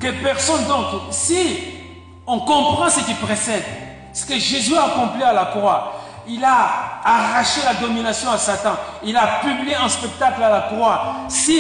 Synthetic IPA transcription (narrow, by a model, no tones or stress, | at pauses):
kepɛʁsɔnd̪ɔ̃ksi | ɔ̃kɔ̃pχɑ̃səkilpʁesɛd̪ | sə̥kəʒezyaːkɔ̃plialakχwa | ilaː | ʁaʃelad̪ɔminasjɔ̃asat̪ɑ̃ | ilapyblijeɛ̃spɛk̚t̪aklalakχwasi